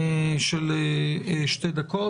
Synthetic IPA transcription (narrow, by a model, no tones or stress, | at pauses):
ʃɛl | ʃtejd̪ako